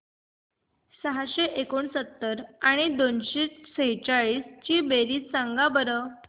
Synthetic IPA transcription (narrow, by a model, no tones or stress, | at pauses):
səɦaɕeʔekoɳsət̪ːəɾaɽ̃id̪onɕeseɦit͡ɕaɭiːst͡ɕiːbeɾiːt͡ssãŋɡabəɾə